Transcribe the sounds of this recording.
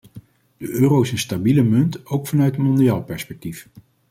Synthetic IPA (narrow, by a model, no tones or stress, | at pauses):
d̥əʔøːrowɪsənstabiləmɵntowkfɑnœɥtəmɔndiaːlˠpɛɹspɛk̚tif